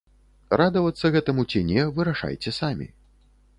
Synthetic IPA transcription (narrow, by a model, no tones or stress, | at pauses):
rad̪ɐvɐt̪sːɐɣɛt̪ɐmut͡sʲinʲɛvɨɾaʂa̰jt͡sʲɛsamʲḭ